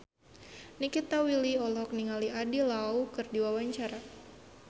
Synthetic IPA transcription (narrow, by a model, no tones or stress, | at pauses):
nikit̪awiliɔlɔɦɔk̚niŋaliadilaukɨrdiwawaɲt͡ʃaɾa